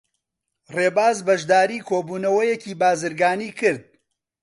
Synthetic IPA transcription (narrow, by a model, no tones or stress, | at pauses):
reːbaːzbɐʒd̪aːɾiːkʰoːbuːnɐwɐjɛciːbaːzɨɾɡaːniːkʰɨɾd̪̚